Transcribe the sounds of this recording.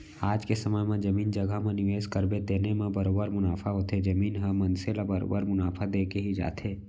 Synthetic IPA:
aːd͡ʒkesəməmẽd͡ʒəmiːnd͡ʒəɡamẽnɪʋeːskəɾbed̪eːnemẽbəɾoːbəɾmʊnaːfʰaɦoːt̪ʰed͡ʒəmiːnɦəmə̃nselabəɾo̰ːbəɾmʊnaːfʰad̪eːkeɦid͡ʒa̰ːt̪ʰeː

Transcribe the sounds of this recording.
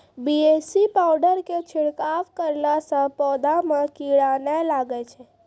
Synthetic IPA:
biesipawɖəɾket͡ʃʰɪɽkaʋkəɾnasə̃pɔːd̪amãkiɽanalaɡɛt͡ʃʰe

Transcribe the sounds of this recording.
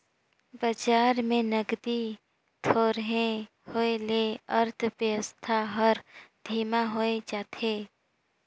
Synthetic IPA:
bəd͡ʒaːɾmẽnəɡd̪i | t̪ʰoːɾɦẽ | hoeleəɾt̪ʰpəəst̪ʰaɦəɾd̪ʱiːmaɦoːed͡ʒaːt̪ʰeː

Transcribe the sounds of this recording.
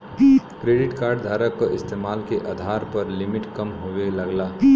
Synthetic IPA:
kɾeːɖɪʈkaːɾɖd̪ʱaːɾəkːoʔɪst̪eːmaːlkeʔad̪ʱaːɾpɐɾlɪmɪʈkɐmɦoʋelɐɡlaː

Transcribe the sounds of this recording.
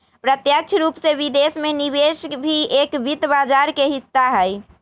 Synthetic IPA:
pɾət̪jək̚t͡ʃʰɾupsebid̪esmenibesbʱiekbit̪bad͡ʒaɾkeɦit̪ːaɦəj

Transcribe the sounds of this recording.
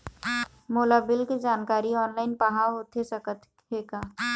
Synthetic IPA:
moːlabɪlked͡ʒaːnkaːɾiɔːnlaːɪnpaɦaɦoːt̪ɦesəkət̪ | ɦeːkaː

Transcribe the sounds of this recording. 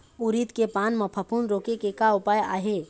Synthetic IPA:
uɾit̪kepaːnməpʰəpunɾoːkekekaʊpaːja̰ːɦe

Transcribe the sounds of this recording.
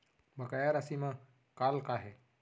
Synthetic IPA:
bʱɐkajaɾɐsimã | kaːlkaɦe

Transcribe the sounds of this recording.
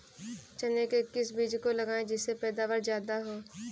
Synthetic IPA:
t͡ʃɐnekekːɪsbiːd͡ʒkolɐɡaːẽd͡ʒɪsːepɛːd̪aːʋəɾzjaːd̪aɦoː

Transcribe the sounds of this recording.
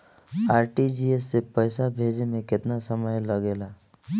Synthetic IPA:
aːɾʈid͡ʒiesːepəjsabʱeːd͡ʒemẽkɪt̪nasəməjləɡeːlaː

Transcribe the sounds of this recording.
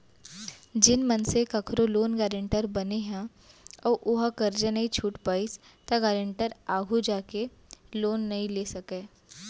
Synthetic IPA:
d͡ʒɪnmɐnsekɐkʰɾoloːnɡɛːɾɪ̃ɳʈəɾbɐneɦɛ̃ | ɔːʔʊɦakɐɾd͡ʒənɐɦĩt͡ʃʰuːʈpaːis | t̪ɐɡɛːɾə̃ɳʈəɾaːɡʱud͡ʒaːke | loːnːɐɦĩleːsɐkeː

